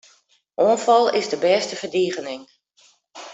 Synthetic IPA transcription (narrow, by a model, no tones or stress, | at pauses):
ʔoːnfɑlˠɪzdəbɛːstəvərdiːɣənɪŋ